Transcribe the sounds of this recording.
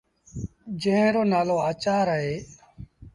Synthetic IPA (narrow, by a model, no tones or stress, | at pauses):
d͡ʒẽɦẽːɾoːnaːloːaːt͡ʃaːɾəɦeː